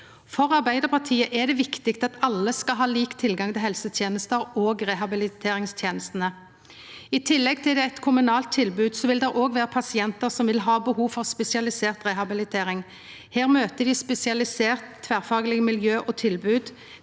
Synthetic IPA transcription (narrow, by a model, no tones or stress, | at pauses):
fɔʁɑʁbæɪd̪əʁpʰɑt̪ʰiːəʔɛd̪ɛʋɪkt̪ɪkt̪ɑt̪ɑlːəskɑɦɑːliːkt̪ʰɪlɡɑŋt̪ʰɪlɦɛlsət̪ʰjeːnəst̪əʁoːɡʁɛɦɑbɪlɪt̪ʰeːɾɪŋst̪ʰjeːnəst̪ən̩ə | ɪt̪ʰɪlːɛɡ̚t̪ʰɪld̪ɛæɪt̪kʰʊmʉnɑːlt̪ʰːɪlbʉːd̪sɔʋɪld̪ɛʁʔoːɡʋeːʁəpʰɑsɪɛnt̪əʁsɔmʋɪlɦɑːbəhuːfɔʁspɛsɪɑlɪseːʁt̪ʁɛhɑbɪlɪt̪ʰeːɾɪŋ | heːʁmøːt̪əd̪ɪspɛsɪɑlɪseːʁt̪ʰːʋæːʁfɑːɡlɪɡmɪljøːʔoːt̪ʰɪlbʉːd̪